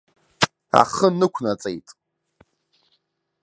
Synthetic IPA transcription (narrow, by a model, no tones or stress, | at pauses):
a̰χənɨkʷʰnat͡sʼḛjtʼ